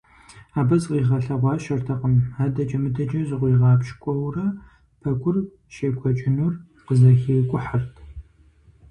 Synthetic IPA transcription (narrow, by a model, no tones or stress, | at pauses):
aːbɐzʼqiːʁɐɬɐʁʷɑːʃɐrtʰɐqəmaːdɐt͡ʃɐmɨdɐd͡ʒʼɐzɨʁʷiːʁɑːpʃkʷʼɔwrɐ | pʰɐɡʷʊr | ʃeːɡʷʰɔt͡ʃʼɪnur | qəzɐxeːkʷʼʊħartʰ